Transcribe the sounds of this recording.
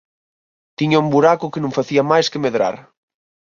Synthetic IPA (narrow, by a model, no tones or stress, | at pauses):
t̪iɲaumbuɾakʊkenũŋfaθiamajskemeðɾa̰ɾ